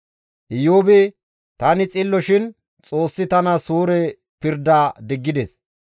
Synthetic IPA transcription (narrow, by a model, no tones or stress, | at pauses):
ʔɪjoːbɛ | t̪ɐnɪt͡sʼɪlːɔʃɪn | t͡sʼo̞ːsːɪt̪ɐnɐsuːɾɛ | pɪɾd̪aːd̪ɪɡːɪd̪ɛs